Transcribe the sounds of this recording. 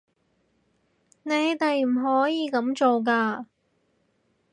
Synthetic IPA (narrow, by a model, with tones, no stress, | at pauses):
ne˨˧jt̪e˨jm̩˨˩ɦɔː˨˥jiː˨˧kɐ˨˥mt͡ʃo˨wk̬aː˧